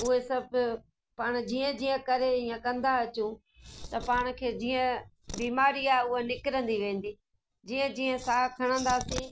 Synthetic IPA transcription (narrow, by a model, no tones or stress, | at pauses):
ʊɦesɐb | paːɽ̃̆d͡ʑiːə̃d͡ʑiːə̃kɐɾeiːə̃kɐ̃nd̪aɐt͡ɕũː | t̪ɐpaːɽ̃̆kʰeːd͡ʑiːə̃ | biːmaːɾiaːɦeʊɦenɪkɪɾə̃nd̪iʋẽːnd̪iː | d͡ʑiːə̃d͡ʑiːə̃saːkʰɐɽ̃ə̃nd̪aːsĩː